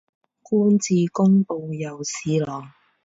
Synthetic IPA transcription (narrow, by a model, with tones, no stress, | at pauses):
kuː˥nt͡siː˨˧kʊ˥ŋpo˧wjɐ˨wsiː˨˧lɔː˨˩ŋ